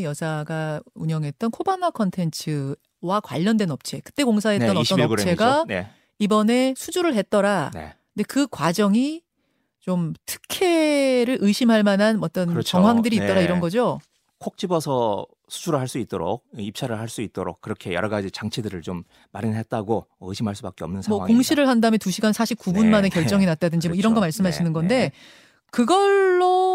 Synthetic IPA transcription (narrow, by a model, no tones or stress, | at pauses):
jʌsʰaɡauɲʌŋɦet̚t͈ʌnkʰobanakʰʌntʰe̞nt͡ɕʰɯ | wakwa̰ʎːʌndwe̞nʌp̚t͡ɕʰe̞kɯ̥t͈e̞koŋs̬ʰaɦe̞tt͈ʌnʌt͈ʌnʌɾt͡ɕʰe̞ɡae | ibʌne̞sʰud͡ʑuɾɯɭɦe̞t̚t͈ʌɾanḛ | ɯnde̞kɯkwad͡ʑʌŋi | t͡ɕomtʰɯ̥kʰe̞ɾɯɭʔɯiɕʰimɦaɭmanɦanʌt͈ʌnɯɾʌt͡ɕʌŋɦwaŋdɯɾiːt͈ʌɾaiɾʌnɡʌd͡ʑo | kʰok̚t͡ɕ͈ibʌsʰʌ | sʰu̥d͡ʑuɾɯɭɦaɭs͈uit̚t͈oɾo̰k̚ip̚t͡ɕʰaɾɯɭaɭs͈uit̚t͈oɾo̰k̚k͈ːɯɾʌkʰe̞jʌ̰ɾʌɡad͡ʑit͡ɕaŋt͡ɕʰedɯɾɯɭt͡ɕomː | aɾinnɦet̚t͈aɡoɯɕʰimɦaɭs͈ubak͈eʌ̰mnɯnsʰmʌkoŋɕʰiɾɯɭhandamentuɕʰiɡansʰaɕʰip̚k͈ubunmane̞kjʌɭt͡ɕ͈ʌŋinat̚t͈adɯnd͡ʑimoʌiɾʌnɡʌmaɭs͈ɯmɦaɕʰinɯnɡʌnde̞ | kɯɡʌɭːo